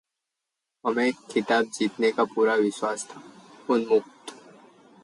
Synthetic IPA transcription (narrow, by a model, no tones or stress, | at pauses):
ɐmẽkʰɪt̪aːb̚d͡ʒiːt̪nekapuːɾaʋɪʃwaːst̪ʰaːʊnmʊkt̪ː